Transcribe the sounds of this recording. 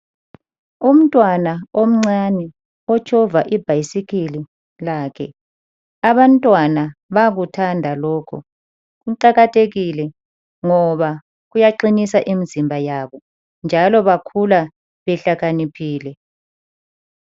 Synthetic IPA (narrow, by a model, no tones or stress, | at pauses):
um̩tʼwanaom̩ŋ͡ǀanɛ | ɔt͡ʃʰʼɔvaʔib̥ʱajisikʰili | lakʰɛ̰ | aβantʼwanaβaɣutʰandʱalɔːkʰɔ̰ | ɣuǃaɣatʰeɣilɛ | ŋɔβa | ɣujaǃinisaʔimizimbʱajaβɔ | nd͡ʒʱalɔβakʰula | βɛɬaɣanipʰiːlɛ